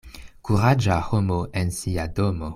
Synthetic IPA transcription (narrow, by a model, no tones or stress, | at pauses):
kuʁad͡ʒahomoʔensiadomo